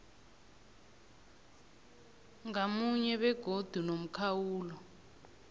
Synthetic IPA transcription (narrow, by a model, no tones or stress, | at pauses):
ŋamuɲɛɓɛɡ̥ʱod̥ʱunom̩kʰawuːlɔ